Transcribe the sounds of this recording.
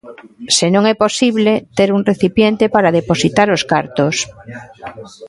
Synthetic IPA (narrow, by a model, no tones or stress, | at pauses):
senõŋɛposiβlet̪eɾuŋreθipjent̪epaɾaðeposit̪aɾoskaɾt̪os